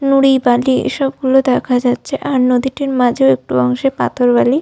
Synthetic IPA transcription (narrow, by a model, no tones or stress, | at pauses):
nuɽibaliḛʃɔbɡulod̪ɛkʰad͡ʑatːɕʰeʔaɾnod̪iʈiɾmãd͡ʑʱeoek̚ʈuɔŋʃepa̰t̪ʰoɾbali